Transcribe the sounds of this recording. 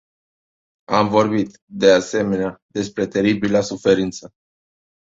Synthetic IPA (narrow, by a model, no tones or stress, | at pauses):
amvo̞rbit̪ | d̪e̞ase̞me̞nead̪e̞spɾe̞t̪e̞ɾibilasufe̞ɾint̪sə